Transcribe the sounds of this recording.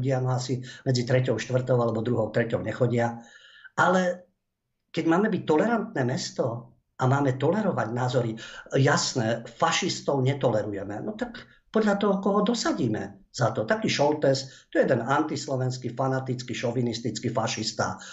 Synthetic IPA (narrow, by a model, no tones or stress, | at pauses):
ɟɪanɔasimɛd͡zit̪ɾɛcɔʊʃt̪ʋr̩t̪ɔʊalɛbɔd̪ɾuɦɔʊt̪ɾɛcɔʊɲɛxɔɟɪaʔalɛ | kɛɟmaːmɛbic̚t̪ːɔlɛɾant̪nɛːmɛst̪ɔ | ʔamaːmɛt̪ɔlɛɾɔʋaɟnaːzɔɾijasnɛːfaʃist̪ɔʊɲɛt̪ɔlɛɾujɛmɛnɔt̪ak | pɔd̪ʎat̪ɔɦɔkɔɦɔd̪ɔsaɟiːmɛ̰z̥at̪ɔt̪akiːʃɔlt̪ɛst̪ɔjɛd̪ɛnant̪islɔʋɛnskifanat̪it͡skiʃɔʋinist̪it͡skifaʃist̪a̰